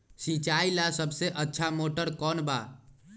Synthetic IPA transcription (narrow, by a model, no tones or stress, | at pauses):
sit͡ʃailasəbʱseʔətːʃʰamoʈəɾkɔːnba